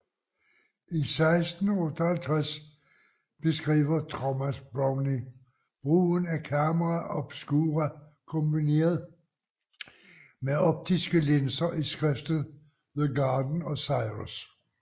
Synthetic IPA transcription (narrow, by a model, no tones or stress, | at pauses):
ʔisɑ̈ɪsd̥n̩ɔt͡sʰhælt͡sʰʁas | b̥e̝sɡ̥ʁḭːʋɐt͡sʰʁomæsb̥ɒŋni | b̥ʁṵːnækʰæmɐʁaʔɒ̽b̥sɡ̥uːʁæ | kʰɔmb̥ine̝̰ːɐð̩ˠ | meɒb̥̚d̥isɡ̥əlensɐʔisɡ̥ʁɛfd̥ð̩ˠ | ʋe̝ðˠɡɑ̈ːd̥n̩ɒ̽sɑ̈ɪʁos